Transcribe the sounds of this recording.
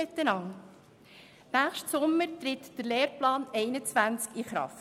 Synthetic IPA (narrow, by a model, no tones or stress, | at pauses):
ɪt̪ːənɑŋ | næːχʃtsʊmːəɾt̪ɾɪt̪d̥əɾleːɾplɑːnɛɪnət͡sʋænt͡skiχɾɑ̰ft